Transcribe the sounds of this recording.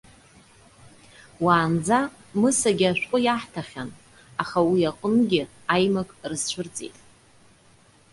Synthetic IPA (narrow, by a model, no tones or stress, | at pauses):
waːnd͡za | mɨsaɡʲaʃʷᶣqʷʼʊjaħtʰaχʲan | aχawiaqʼʊnɡʲɪ | ajmakʼrɨzt͡ʃʷʰʊrt͡sʼḛtʼ